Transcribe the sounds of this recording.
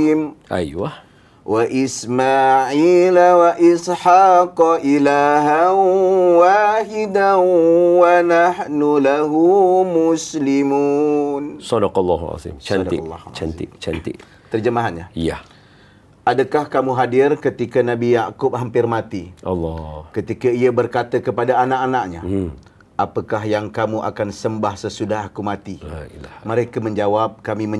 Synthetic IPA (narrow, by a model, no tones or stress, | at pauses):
mʔa̰jah | waʔismaʕilawaʔɪsħaqʔilaɦanwahidanwanahnulaɦumuslimunsɔdɑqɑlːɑha̰zḭmt͡ʃad̪ḭl̰ːht͡ʃanɪ̰ʔt͡ʃa̰nt̪ɪʔ | t̪ərd͡ʒəmaɦanɲaja | adakahkamuɦadɪrkət̪ikanãbijaʔkʊp̚hɦampɪrmat̪iɑ̰lːɔkət̪ikaiabərkat̪əkəpadaːnaʔanaʔɲa | apəkaɦjaŋkamuʔa̰kansəmbahsəsudahakumat̪ilailaməɾekamə̃ɲd͡ʒawap̚kamimə̃